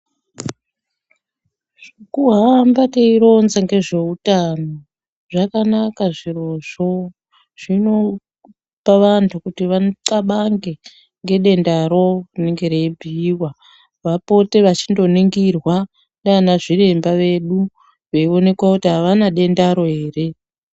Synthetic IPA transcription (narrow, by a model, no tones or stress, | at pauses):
ʐ̥ekuɦambateiɾo̞nzaŋɡe̞ʐe̞utano | ʐakanakaʐiroʐo̞ | ʐ̥ino̞ | paʋantʰukutiʋaǀaɓaŋɡe̞ | ŋɡe̞ɗe̞ndaɾo̞kuneŋɡe̞rebʱiːwa | ʋapo̞te̞ʋat͡ʃindo̞niŋɡirwa | ndanaʐirembaʋe̞ɗu | ʋeio̞ne̞kwakutiɦaʋanaɗe̞ndaɾo̞ɦe̞ːre̞